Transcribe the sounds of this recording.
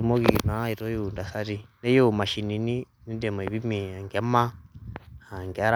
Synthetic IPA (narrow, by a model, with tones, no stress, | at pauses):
u˨mo˦ɣi˨na˨˦i˨ɾɔ˦ju˦˨nda˨sa˦ɾi˦nɛ˦jo˦˨ma˨ʃi˨ni˨˦ni˦ | ni˦dɛ˨m˨ɛ˨βi˦mi˨a˨ŋɡɛ˨˦ma˦ | a˨ŋɡɛ˨˦ɾa